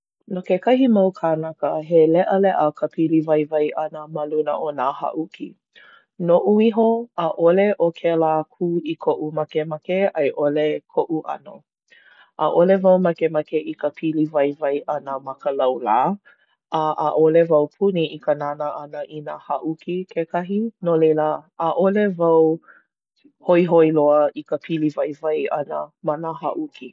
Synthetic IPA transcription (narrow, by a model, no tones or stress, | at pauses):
nokekɐhimɐwkʰanakəɦelɛʔəlɛʔəkʰəpʰilivɐjvɐjʔɐnəmɐlunəʔonaha̰ʔukḭ | noʔuiɦoaʔoleʔokʰelaːkʰuikʰoʔumɐkemɐkeʔɐjʔolekʰoʔuʔɐ̰no̰ | ʔaʔolevɐwmɐkemɐkeʔikəpʰilivɐjvɐjʔɐnəmɐkəlɐwlaː | ʔaʔːʔolevɐwpʰuniʔikənanəʔɐnəʔinahɐʔukikʰekʰɐɦinolejlaːʔolevɐw | hoiɦoiloəikəpʰilivɐjvɐjʔɐ̰nəmanaha̰ʔuki